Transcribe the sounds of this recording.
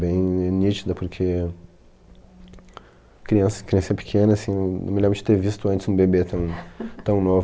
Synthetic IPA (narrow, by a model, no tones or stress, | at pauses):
bẽj̃nit͡ʃid̪ɐpoɾkʰe | kɾiɐ̃sɐ̃kɾiɐ̃siɐpi̥kʰẽnɐsĩenɐ̰̃w̃mɪlẽbɾɐd͡ʒɪ̥t̪evist̪ʊɐ̃nt͡ʃɪzũbebet̪ɐ̃w̃t̪ɐ̃w̃nov